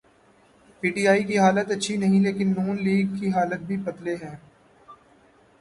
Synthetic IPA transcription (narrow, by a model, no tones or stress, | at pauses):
piːʈiːaːikiɦaːlət̪ɐtːʃʰinɐɦĩleːkɪnːuːnliːɡkiɦaːlət̪̚bʱibɐd̪leɦɛ̃ː